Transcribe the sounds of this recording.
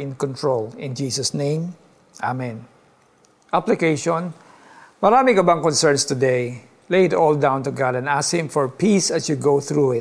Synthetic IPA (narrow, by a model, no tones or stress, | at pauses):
ɪ̃nkɔ̃nt̪ɹolɪ̃nd͡ʒiːsɐsnẽɪ̃m | ʔa̰mɛ̃n | ʔaplɪkejʃɔ̃n | mɐɾaːmɪŋɐbaŋkɔnsɛɹnst̪ʊd̪ej | lejɪt̪ɔld̪ãw̃nt̪ʊɡad̪ɛ̃naskhɪ̃mfɔɹpisɐsjuɡowθɹuɪt̚